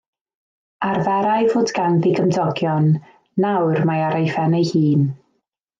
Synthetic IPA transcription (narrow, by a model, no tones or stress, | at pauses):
arvɛɾajvoːdɡanðiɡəmdɔɡjɔnː | awrmajaɾejfɛnejhiːn